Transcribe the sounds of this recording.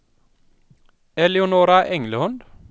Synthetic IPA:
ɛlɪʊnoːɾɑʔɛŋləhɔnd̪

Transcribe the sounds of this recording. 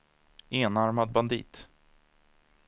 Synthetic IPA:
eːnaɾmad̪̚band̪ḭːt̪

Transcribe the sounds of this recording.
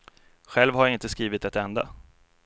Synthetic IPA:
ɧɛlvhaɾjaɪnt̪əskɾiːvɪt̪ɛt̪ɛnd̪a̰

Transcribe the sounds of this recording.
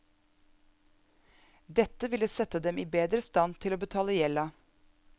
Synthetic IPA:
d̪ɛt̪əʋɪləsɛt̪əd̪ɛmiːbeːd̪ɾəst̪ɑnt̪ʰɪloːbət̪ʰɑːləjɛlɑ

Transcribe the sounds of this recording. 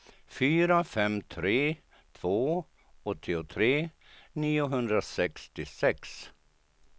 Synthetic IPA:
fyːɾafɛmt̪ʰɾeː | t̪ʰv̥oː | ɔt̪ʰːɪʊt̪ʰɾeː | niːʊɦɵnd̪ɾasɛkst̪ɪsɛks

